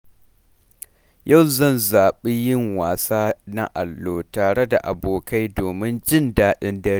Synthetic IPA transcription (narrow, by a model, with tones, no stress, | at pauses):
jʔɐ˦˨wzɐ˦˨nzaː˨ɓe˦jɪ˦˨ŋwaː˨saː˦na˦ʔa˨lːoː˨taː˨ɽe˦da̰˨ʔa˨boː˨ka˦jdoː˨mɪ˦nd͡ʒɪ˦ndaː˦ɗɪ˦ndɐ˦ɾ